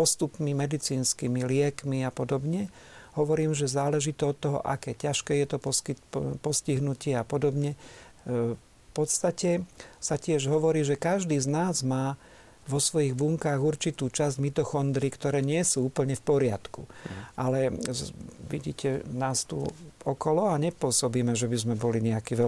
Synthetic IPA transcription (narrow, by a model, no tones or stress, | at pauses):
pɔst̪upmimɛd̪it͡siːnskimilɪɛkmiapɔd̪ɔbɲɛ | ɦɔʋɔɾiːmʒɛzaːlɛʒit̪ɛɔt̪ːɔɦɔ̰ʔa̰kɛːcaʃkɛːjɛt̪ɔpɔipɔsciɦnucɪɛapɔd̪ɔbɲɛ | pɔt̪st̪acɛsacɪɛʒɦɔʋɔɾiːʒɛkaʒd̪iːznaːzmaː | ʋɔsʋɔjiɣbuŋkaːɣuɾt͡ʃit̪uːt͡ʃazɟmit̪ɔxɔnd̪ɾikt̪ɔɾɛːɲɪɛsuːuːpl̩ɲɛfpɔɾɪat̪kuʔalɛ | ʋiɟḭːcʰɛnaːst̪ṵɔkɔlɔaɲɛpʊɔsɔbiːmɛʒɛbizmɛbɔliɲɛakiːʋɛ